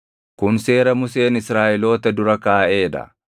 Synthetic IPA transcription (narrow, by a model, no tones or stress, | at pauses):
kʊnse̞ːɾɐmʊse̞ːnɪsɾaːʔɪlo̞ːt̪ɐd̪ʊɾɐkaːʔe̞ːd̪ɐ̰